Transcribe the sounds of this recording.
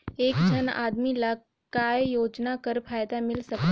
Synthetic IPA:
eːkd͡ʒʱəna̰ːd̪mila | kaːjjoːd͡ʒnakəɾfʰaːjd̪amɪlsɐk̪

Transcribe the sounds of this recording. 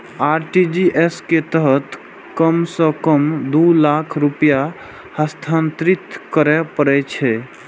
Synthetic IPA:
aɾʈid͡ʒiʔesket̪əɦət̪ | kəmsə̃kəmd̪ulakʰɾupja | həst̪ʰant̪ɾit̪kəɾɛpəɾɛt͡ʃʰɛ

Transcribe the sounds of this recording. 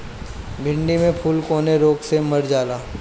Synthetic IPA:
bʱɪ̃ɳɖimẽpʰuːlkoːneɾoːɡsemɐɾd͡ʒaːlaː

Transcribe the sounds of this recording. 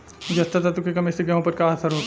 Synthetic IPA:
d͡ʒɐst̪at̪at̪ukekɐmeseɡɐɦõpɐɾkaːɐsɐɾɦoː

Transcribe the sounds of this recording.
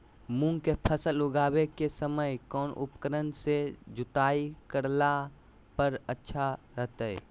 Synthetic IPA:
mũŋɡkepʰəsəlʊɡaːwekesəməjkɔːnʔʊ̰pkəɾənsed͡ʒʊt̪aːikəɾla | pəɾətːʃʰaɾəɦt̪ɛ̰

